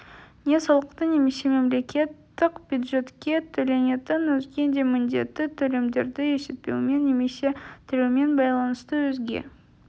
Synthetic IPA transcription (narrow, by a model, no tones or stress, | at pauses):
ne̞sɑlˠəqt̪əne̞me̞se̞me̞mle̞kʲe̞t̪ːɪqbʲjud̪ʐe̞t̪kʲe̞t̪ʰɵle̞ne̞t̪ɪnwɵzɡʲe̞nd̪e̞mɪnd̪e̞t̪ːɪt̪ʰɵle̞md̪e̞ɾd̪ɪjesɪt̪̚pe̞̰wme̞nːe̞me̞se̞t̪ʰɪɾewmenbɑjlˠɑnəst̪əwɵzɡʲḛ